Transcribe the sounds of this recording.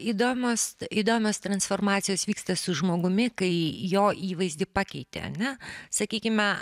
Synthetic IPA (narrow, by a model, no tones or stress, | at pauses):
id̪oːmʲoːsid̪oːmʲoːst̪ɾɐnsfoːrmɑːt̪sʲɪjoːsʋʲiːkst̪ɐsʊʒmoːɡʊmʲɪkɐɪjoːʔiːʋɐɪzʲd̪ʲɪpɑːkʲɛɪt̪ʲḛːɐ̰nʲɛsɐkʲiːkʲɪmʲɛ